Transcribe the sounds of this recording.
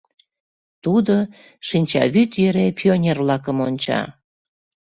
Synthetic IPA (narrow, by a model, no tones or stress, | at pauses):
t̪ud̪o | ʃinʲt͡ɕɑ̰βyt̪jøɾepʲionʲerβlɑkəmonʲt͡ɕɑ̰